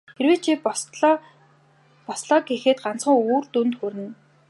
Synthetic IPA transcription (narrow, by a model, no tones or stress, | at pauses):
xeɾweːt͡ɕʰiː | pɔsɮɔːɡixeːt̪ɢan̥t͡sχə̆ŋuːrt̪unt̪xuɾʲɘ̆n